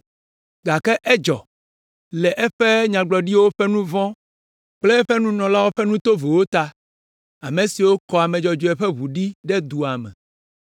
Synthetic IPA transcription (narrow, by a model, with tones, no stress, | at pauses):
ɡa˨kɛ˦ʔɛ˦d͡ʒɔ̰˨ | lɛ˨ʔɛ˦ɸɛ˦ɲã˨ɡ͡blɔ˨ɖi˦wo˦ɸɛ˦nũ˦vɔ̃˦ | k͡plɛ˦ɛ˦ɸɛ˦nũ˦nɔ̃˨la˦wo˦ɸɛ˦nũ˦t̪o˦ve˨wo˦t̪a˦ | a˨mẽ˨si˨wo˦kɔ˨a˨mẽ˨d͡ʒɔ˨d͡ʒo˨ɛ˨ɸɛ˦βu˨ɖi˦ɖɛ˦d̪u˨a˨mɛ̰̃˨